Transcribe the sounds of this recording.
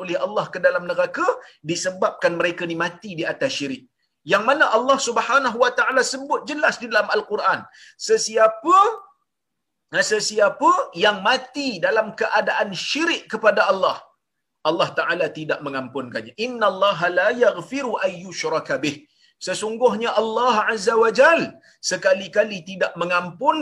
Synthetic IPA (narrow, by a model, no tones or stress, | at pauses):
olɪhalːɑhkədalamnəɡakadisəbap̚kanməɾekanimãt̪idiat̪asʃiɾɪʔ̚ | jaŋmanaʔalːɑhsubhanaɦuwat̪aʔalasəbʊt̪̚d͡ʒəlasdidalamalkuɾʔan | səsiapə | səsiapəjaŋmãt̪idalamkəʔadaʔanʃiɾɪʔkəpadaʔɑlːɑh | ʔɑlːɑht̪aʕalat̪idaʔmə̃ŋampʊnkaɲaʔɪnːalˤːɑːɦalajaɣfɪɾuʔanjʊʃɾˤɑkbɪh | səsuŋɡʊɦɲaʔalːɑɦʕazːawad͡ʒal | səkalikalit̪idaʔməŋampʊn